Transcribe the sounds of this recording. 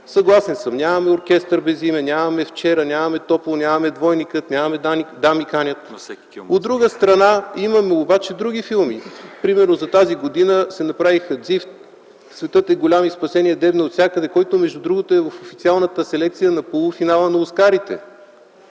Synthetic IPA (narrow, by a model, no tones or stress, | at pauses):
sɐɡlˠasɛnsəmnʲamɐmɛoɾk̟ʲɛst̪əɾbɛzimɛnʲamɐmɛft͡ʃɛɾɐnʲamɐmɛt̪ɔplˠonʲamɐmɛd̪vɔjnikət̪nʲamɐmɛd̪amikanʲət̪ | ɛ | od̪ɾuɡəst̪ɾɐnaimɐmɛobat͡ʃɛd̪ɾuɡʲifilˠmipɾimɛɾnozɐt̪aziɡod̪inəsɛnɐpɾavixəd̪zift̪ | svɛt̪ɤt̪ɛɡolʲamispɐsɛniɛd̪ɛbnoot̪sʲakəd̪ɛkɔjt̪omɛʒd̪ud̪ɾuɡot̪oɛvəfofit̪sialˠnət̪əsɛlɛk̚t̪sijənɐpolˠufinalˠənɐoskaɾit̪ɛ̰